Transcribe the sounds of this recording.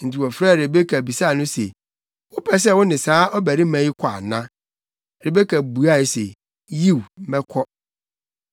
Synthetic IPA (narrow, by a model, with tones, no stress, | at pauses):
n̩˨ti˨wɔ˨fɾa˦˨ɾɪ˨be˦kʰa˨bi˨sa˦˨nʊ̃˦sḛ˨ | wʊ˦pʰɛ˨˦s̬ɛ˦˨wʊ˦nɪ̃˨saː˨˦ɔ˦bæ˨ɾi˦mæ̃˨ji˦kʷʰa̰˨nã˦ | ɾɪ˨be˦kʰa˨bu˨a˦˨ɪ˨sḛ˨ | ji˦˨w̩˨˦mɛ˦kʰɔ˦